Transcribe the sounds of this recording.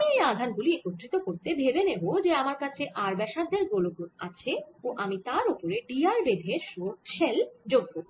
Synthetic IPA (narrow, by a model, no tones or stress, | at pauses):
iejad̪ʱanɡuliekot̪ːɾit̪okoɾt̪eb̪ʱebeneɦod͡ʑeamaɾkat͡ɕʰeʔaɾbɛʃad̪ʱːeɾɡoloɡot̪at͡ɕʰeoʔamit̪aɾopoɾeɖiaɾbed̪ʱeɾʃoʃeld͡ʑoɡbo